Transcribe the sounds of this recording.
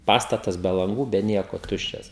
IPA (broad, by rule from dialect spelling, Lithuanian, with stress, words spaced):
ˈpɑːstɐtɐs bʲɛ lˠɐŋˈɡuː bʲɛ ˈnʲiɛkoː ˈtʊʃʲt͡ʃʲɛs